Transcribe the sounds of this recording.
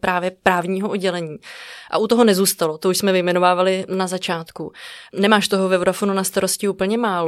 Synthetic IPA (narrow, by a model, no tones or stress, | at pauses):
pɾaːvjɛpɾaːvɲiːɦoʔodɟɛlɛɲiːʔa̰ʔut̪o̞ɦo̞nɛzuːst̪alot̪ouʃsmɛvɪjmɛnovaːvalɪnazat͡ʃaːt̪kunɛmaːʃt̪o̞ɦovɛvɾafonunast̪aɾoscɪuːpl̩ɲɛmaːlo